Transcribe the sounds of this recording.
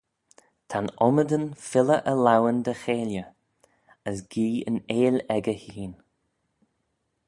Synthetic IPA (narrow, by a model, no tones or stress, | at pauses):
t̪ʰanɔməd̪ənfɪləʔəlawənd̪əxeːljə | əsɡ̥iːə̰neːlɛɡəhiːn